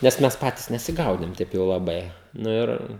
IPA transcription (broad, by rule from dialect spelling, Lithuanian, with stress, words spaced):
nʲɛs ˈmʲɛs ˈpɑːtʲiːs nʲɛsʲɪˈɡɐʊdʲeːm ˈtɐɪp jɛʊ lˠɐˈbɐɪ nʊ ˈɪr